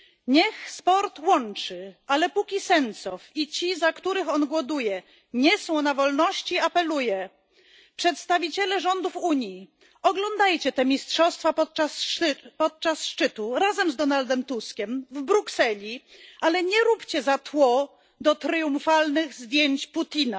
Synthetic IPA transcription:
ɲɛxspɔɾt̪wɔnt͡ʂɘʔalɛpukʲisɛnt̪sɔfit͡ɕizakt̪uɾɘxɔnɡwɔd̪ujɛ | ɲɛsɔ̃w̃navɔlnɔɕt͡ɕiapɛlujɛ | pʂɛt̪st̪avʲit͡ɕɛlɛʐɔnd̪ufuɲji | ɔɡlɔnd̪ajt͡ɕɛt̪ɛmʲistʂɔst̪fapɔt̪̚aspɔt̪̚t͡ʂasʂt͡ʂɘt̪uɾazɛmzd̪ɔnald̪ɛmt̪uskʲɛmvbɾuksɛlʲialɛɲɛɾupt͡ɕɛzat̪wɔ | d̪ɔt̪ɾɘjũmfalnɘɣzd̪ʲjeɲt͡ɕput̪ʲina

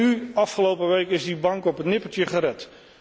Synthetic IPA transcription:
yɑfχəlowpəʋejkɪzdibɑŋkɔpətnɪpəltjəχəɾɛt

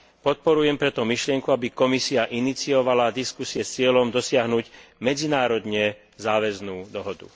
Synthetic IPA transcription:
pɔt̪̚pɔɾujɛmpɾɛt̪ɔmiʃlɪɛŋkuabikɔmisiaʔinit͡siɔʋalad̪iskusiɛst͡sɪɛlɔmd̪ɔsɪaɦnuɟmɛd͡zinaːɾɔd̪ɲɛ | zaːʋɛznuːd̪ɔɦɔd̪ṵ

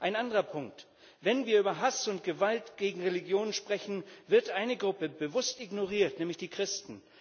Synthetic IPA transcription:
ʔaɪnandəʁɐpʰʊŋk̚t | vɛnviːɐyːbɐɦasʊntɡ̥əvaltɡ̥eːɡŋ̩ʁeliɡjoːnənʃpʁ̥ɛçn̩vɪɐtʔaɪnəɡʁʊpəbəvʊstiɡnoʁiːɐtnɛːmlɪçd̥iːkʁ̥ɪstn̩

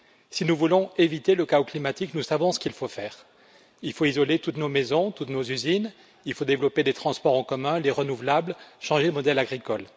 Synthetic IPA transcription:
sinuvulɔ̃evit̪eləkaoklimat̪iknusavɔ̃sə̥kʲilfofɛːʁ | ilfoizɔlet̪ut̪nomezɔ̃t̪ut̪nozyzin | ilfod̪evlɔped̪et̪χɑ̃spɔʁɑ̃kɔmɛ̃leʁənuvlablʃɑ̃ʒeləmɔd̪ɛlaɡʁikɔl

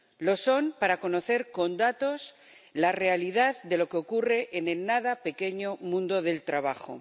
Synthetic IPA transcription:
lo̞so̞mpaɾako̞no̞θe̞ɾko̞nd̪at̪o̞s | larealið̞aððe̞lo̞keo̞kure̞ʔene̞lnaðape̞ke̞ɲo̞mũnd̪o̞ðe̞lt̪ɾaβ̞axo̞̰

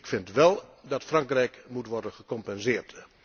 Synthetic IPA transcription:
ɪkfɪntʋɛlˠdɑtfrɑŋkrɛjkmutʋɔrdənχəkɔmpɛnzɪːrt

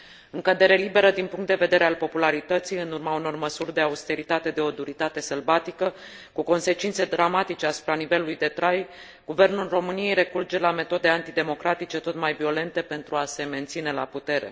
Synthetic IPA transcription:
ɨŋkəd̪e̞ɾelibe̞ɾəd̪inpuŋkt̪d̪e̞ve̞d̪eɾe̞alpo̞pulaɾit̪ət̪sijɨnurmauno̞rməsurʲd̪e̞aust̪e̞ɾit̪at̪e̞d̪e̞o̞d̪uɾit̪at̪e̞səlbat̪ikə | kuko̞nse̞t͡ʃint̪se̞d̪ɾamat̪it͡ʃe̞asu̥pɾanive̞lulujd̪e̞t̪ɾaj | ɡuve̞rnulro̞mɨnije̞jɾe̞kurd͡ʒe̞lame̞t̪o̞d̪e̞ant̪id̪e̞mo̞kɾat̪it͡ʃe̞t̪o̞t̪majvio̞le̞nt̪e̞pe̞nt̪ɾuase̞me̞nt̪sine̞la̰put̪e̞ɾe̞̰

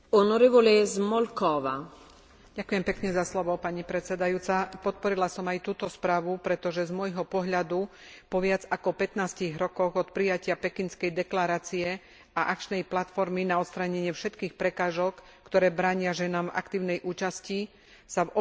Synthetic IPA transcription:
ɔnɔɾiʋɔlɛzmɔlkɔʋa̰ | ɟakujɛmpɛkɲɛzaslɔʋɔpaɲipɾɛt̪t͡sɛd̪ajuːt͡sapɔt̪̚pɔɾilasɔmajt̪uːt̪ɔspɾaːʋupɾɛt̪ɔʒɛzmʊɔjɦɔpɔɦʎad̪u | pɔʋɪad͡zakɔpɛt̪naːsciɣɾɔkɔɣɔt̪pɾijacɪapɛkinskɛjd̪ɛklaɾaːt͡siɛ | aʔak̚t͡ʃnɛjplat̪fɔɾminaɔt̪st̪ɾaɲɛɲɪɛfʃɛt̪kiːxpɾɛkaːʒɔkː | t̪ɔɾɛːbɾaːɲɪaʒɛnaːmva̰kt̪iːʊnɛjʔuːt͡ʃasci | savɔ

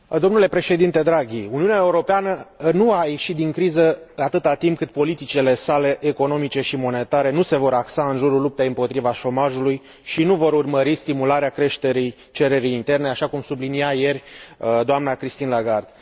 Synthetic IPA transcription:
d̪o̞mnule̞pɾe̞ʃe̞d̪int̪e̞d̪ɾaɡʲiuniuneaeuɾo̞peanənuaje̞ʃit̪d̪iŋkɾizəat̪ɨt̪at̪imp̚kɨt̪̚po̞lit̪it͡ʃile̞sale̞ʔeko̞no̞mit͡ʃe̞ʃimo̞ne̞t̪aɾe̞nuse̞vo̞ɾaksaɨnʒuɾulup̚t̪ejɨmpo̞t̪ɾivaʃo̞maʒuluj | ʃinuvo̞ɾurməɾist̪imulaɾeakɾe̞ʃt̪eɾij | t͡ʃe̞ɾe̞ɾijːnt̪e̞rne̞aʃakumsubliniaje̞rʲd̪oamnakɾist̪inlaɡard̪̥

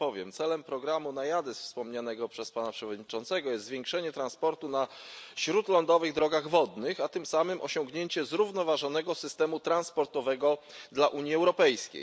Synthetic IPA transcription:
pɔvʲjɛ̰mt̪sɛlɛmpɾɔɡɾamunajad̪ɛsfspɔmɲanɛɡɔpʂɛspanapʂɛvɔd̪ɲit͡ʂɔnt̪sɛɡɔjɛst̪zvjeŋkʂɛɲɛt̪ɾanspɔɾt̪unaɕɾut̪lɔnd̪ɔvɘɣd̪ɾɔɡaɣvɔd̪nɘxat̪ɘmsamɘmʔɔɕɔŋɡɲeɲt͡ɕɛzɾuvnɔvaʐɔnɛɡɔsɘst̪ɛmut̪ɾanspɔɾt̪ɔvɛɡɔd̪laʔuɲjiɛwɾɔpɛjskʲḛj

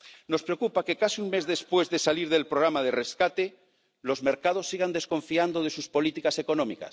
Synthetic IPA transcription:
no̞spɾeokupake̞kasiuŋme̞zðe̞spwe̞zðesaliɾðe̞lpɾoɣɾamað̞ere̞skat̪e̞ | lo̞zme̞ɾkað̞o̞sːiɣ̞and̪e̞sko̞ɱfiand̪o̞ð̞e̞suspo̞lit̪ikase̞ko̞nomḭka̰s

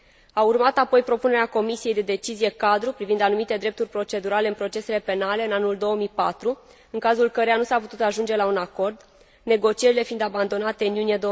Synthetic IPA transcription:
aurmat̪apo̞jpɾo̞pune̞ɾeako̞misije̞jd̪e̞d̪e̞t͡ʃizije̞kad̪ɾupɾivind̪anumit̪e̞d̪ɾe̞p̚t̪urʲpɾo̞t͡ʃe̞d̪uɾale̞ɨnpɾo̞t͡ʃe̞se̞le̞pe̞nale̞ɨnanuld̪o̞womijpat̪ɾu | ɨŋkazulkəɾejanusaput̪ut̪aʒund͡ʒe̞launako̞rd̪ | ne̞ɡo̞t͡ʃie̞ɾile̞find̪aband̪o̞nat̪e̞ɨnjunijed̪o

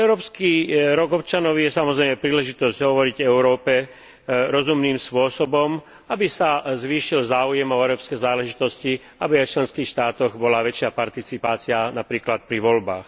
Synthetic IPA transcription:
ɛʊɾɔːpskiɾɔɡɔpt͡ʃanɔʊjɛsamɔzɾɛɪmɛpɾiːlɛʒit̪ɔzɟ̥ɦɔʋɔɾiɟɛʊɾɔːpɛ | ɾɔzumniːmspʋʊɔsɔbɔm | abisazʋiːʃilzaːujɛmɔɛɾɔːpskɛzaːlɛʒit̪ɔsci | abiajft͡ʃlɛnskiːxʃt̪aːt̪ɔɣbɔlaʋɛt͡ʃɪapaɾt̪it͡sipaːt͡sianapɾiːklat̪̚pɾiʋɔlba̰ːx

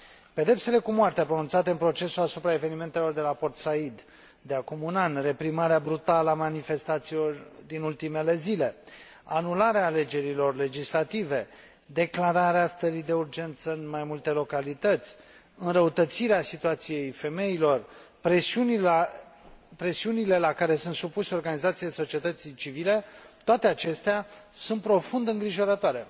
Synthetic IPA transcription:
pe̞d̪e̞pse̞le̞kumoart̪eapɾonunt̪sat̪eɨnpɾo̞t͡ʃe̞suasupɾae̞ve̞nime̞nt̪e̞lo̞rd̪e̞lapo̞rt̪said̪ | d̪e̞akumunanʲre̞pɾimaɾeabɾut̪aləamanife̞st̪at̪silo̞rd̪inult̪ime̞le̞zile̞ | anulaɾeaːle̞d͡ʒe̞ɾilo̞rle̞d͡ʒislat̪ive̞ | d̪e̞klaɾaɾeast̪əɾid̪e̞urd͡ʒe̞nt̪səɨnmajmult̪e̞lo̞kalit̪ət̪sʲ | ɨnɾəut̪ət̪siɾeasit̪uat̪sije̞jfe̞me̞ilo̞r | pɾesiuni | pɾe̞siunile̞lakaɾe̞sunt̪supuseo̞rɡanizat̪sijejso̞t͡ʃiet̪ət̪sit͡ʃivile̞t̪oat̪e̞at͡ʃe̞st̪easunt̪̚pɾo̞fund̪ɨŋɡɾiʒo̞ɾət̪oaɾe̞̰

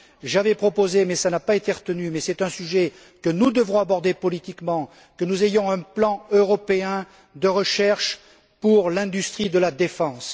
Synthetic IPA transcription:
ʒavɛpχɔpozemɛsanapaet̪eʁət̪ənymɛsɛt̪ɛ̃syʒɛ | kənud̪əvɔ̃abɔʁd̪epɔlit̪ikmɑ̃ | kənuzejɔ̃ɛ̃plɑ̃øʁɔpeɛ̃ | d̪əʁəʃɛʁʃ | puʁlɛ̃d̪yst̪χid̪əlad̪efɑ̃s

